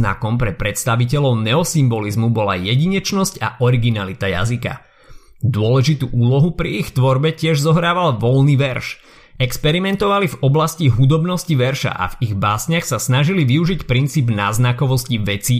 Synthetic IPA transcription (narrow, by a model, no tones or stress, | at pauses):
na̰kɔmpɾɛpɾɛt̪st̪aʋic̬ɛlɔʊnɛɔsimbɔlizmubɔla̰jɛɟiɲɛt͡ʃnɔsca̰ʔɔɾiɡinalit̪aja̰zika̰ | d̪ʊɔlɛʒit̪uːʔuːlɔɦupɾiixt̪ʋɔɾbɛcɪɛʒzɔɦɾaːʋalʋɔlniːʋɛɾʃ | ɛkspɛɾimɛnt̪ɔʋalivɔblasciɦud̪ɔbnɔsciʋɛɾʃa̰ʔa̰viɣbaːsɲɪaxsasnaʒiliʋiuʒicpɾint͡siːbnaːznakɔʋɔsciʋɛt͡si